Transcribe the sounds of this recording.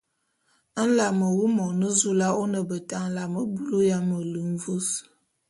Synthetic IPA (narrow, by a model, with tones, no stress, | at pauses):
n̩˦la˨mə˨wu˦mɔ˨nə˦zu˦la˦o˦nə˨bə˨ta˦n̩˦la˨mə˦bu˦lu˦ja˦mə˨lə˨n̩˦vu˦s